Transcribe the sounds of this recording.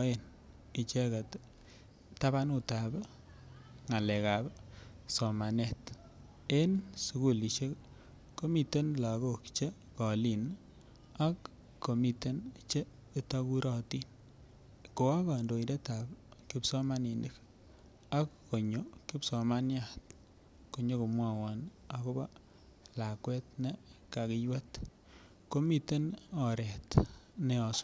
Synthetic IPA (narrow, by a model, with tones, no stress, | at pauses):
ɔ˦e˨n | i˨t͡ʃe˦ka˨t | ta˦βa˦nu˦ta˨b | ŋa˨lɛ˨ka˨b | so˨ma˨ne˦t | e˦nsu˨˦ku˦˨li˨ʃe˦ | ko˦mi˨te˦nla˨ɣo˦˨kt͡ʃe˦ | kɔ˨li˨n | a˦kː | o˨mi˨te˦nt͡ʃe˦ | ta˦ku˦ɾɔ˦ti˦n | ko˨wa˦ka˨ndo˨i˨de˦ta˨pki˦psɔ˦ma˦ni˨ni˦k | a˦kːo˨ɲo˨kɪ˦psɔ˨ma˦nja˨t | ko˨ɲo˦ku˨mwa˦˨wa˨na˨ko˦ba˦ | la˨kwɛ˦t̚ne˦ka˨kɪ˦jwɛ˦t | ko˦mi˦te˦nɔ˨ɾɛ˨tne˦ɔ˨sʊ̥˦